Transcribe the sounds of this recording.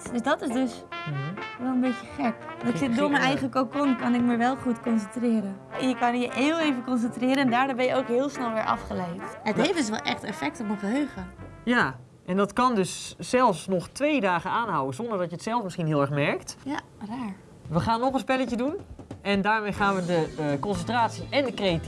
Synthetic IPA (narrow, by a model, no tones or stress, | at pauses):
d̥øsdɔtɪsdøsm̩ʋɛlˠənbetjəχɛkdɪsɪdʊːɹməjnɛjχəkokonkɑnɪkməɹʋɛlˠχutkɔnsəntrɪːɾə | ɛnjəkɑnjəʔeːlˠejvəkɔns̬əntrɪːɾəɛndaːɹnaːbɛnjəowkɦɪːlˠsnɛlˠʋɪɹʔɑ̰fχəlejtətdhefɪs̬ʋɛ̰lˠʔɛ̰xtɛ̰fɛk̚tɔməfəɦøːχə | ja | ʔɛndɔtkɑndøsːɛlˠfsnɔχtʋeːdaːχəaːnɦawənzɔndəɹdɔtjətsɛlˠfmɪsχinɦɪːlˠɛɹχmɛɹktja | raːɹ | ʋəχaːnːɔχənspɛləcədunɛndaːɹmejχaːnʋədəkɔnsəntraːtsiʔɛndəkreat